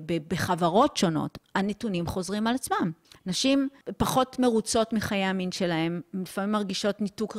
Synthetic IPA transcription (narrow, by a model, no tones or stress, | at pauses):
bebeχavaʁo̞tʃo̞no̞̰tanetunimχo̞zʁimalat͡smamnaʃimpaχo̞tme̞ʁut͡so̞tmiχajeaminʃe̞lahe̞mlifamimːaʁɡiʃo̞tnituk